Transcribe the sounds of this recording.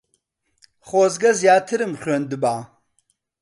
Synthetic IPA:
χʷozɡɐzjaːtʰɨɾɨmχʲʷɔndɨbaː

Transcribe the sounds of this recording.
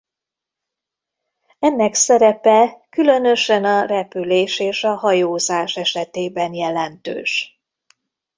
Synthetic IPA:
ɛnːɛksɛɾɛpɛkylø̞nø̞ʃɛnɒrɛpyleːʃeːʃɒhɒjoːzaːʃɛʃɛt̪eːbɛnjɛlɛnt̪ø̰ːʃ

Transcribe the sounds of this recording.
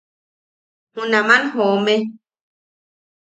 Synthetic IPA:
hũnãmãnɦomẽ

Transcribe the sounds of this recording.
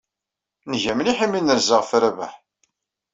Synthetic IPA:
nʝæmniħimːinəɾzəʁfɾævæ̰ħ

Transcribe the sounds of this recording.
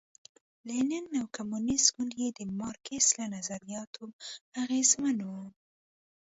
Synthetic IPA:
lenanawkamunisɡunjed̪əmɑɾkeslanazaɾijɑt̪ʰoaɣezmanwu

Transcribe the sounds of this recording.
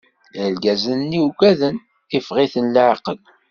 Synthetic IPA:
lɡæzənːiuɡæðən | ifʁiθənlʕqəl

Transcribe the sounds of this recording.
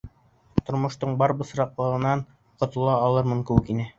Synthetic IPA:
t̪ŏɾmŏʃt̪ɤɴbɑɾbɤ̆s̆ɾɑqlˠɤ̆ʁɤ̆nɑɴ | qŏt̪ɤ̆lˠɑːlˠɤɾmɤŋkɘ̆wɘkinɘ

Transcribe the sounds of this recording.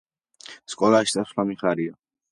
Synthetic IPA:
skʼɔlˠaʃi̥aslamiχaɾia

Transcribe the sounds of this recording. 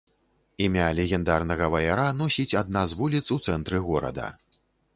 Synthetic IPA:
imʲalʲɛɣʲɛnd̪arnɐɣɐvɐjaɾanɔsʲit͡sʲad̪̚nazvulʲit̪sut̪sɛnt̪ɾɨɣɔɾɐ̰d̪ɐ̰

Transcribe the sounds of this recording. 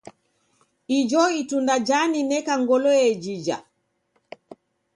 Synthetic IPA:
ʔid͡ʒɔitundad͡ʒaninɛkaŋɡɔlɔɛd͡ʒid͡ʒa̰

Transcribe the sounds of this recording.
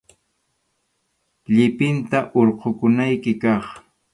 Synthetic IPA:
ʎɪpɪnt̪aʔoɾqokʊnajkɪkɑχ

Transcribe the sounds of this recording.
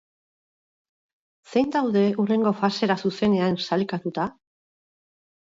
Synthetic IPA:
se̞jnd̪awðe̞ure̞ŋɡo̞fase̞ɾasuse̞ne̞ansalikat̪ut̪a

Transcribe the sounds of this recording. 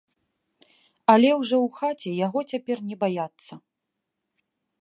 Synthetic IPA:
ɐlʲɛwʐɔwxat͡sʲɛjaɣɔt͡sʲapʲɛrnʲɛbajat̪sːɐ

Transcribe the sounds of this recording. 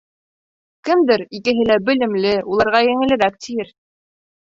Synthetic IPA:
kɘ̆md̪ɘɾikɘ̆ɦɘ̆læbɘ̆lɘ̆mlɘulˠɑɾʁɑjɘ̆ŋɘ̆lɘ̆ɾæp̚t̪ʰijɘɾ

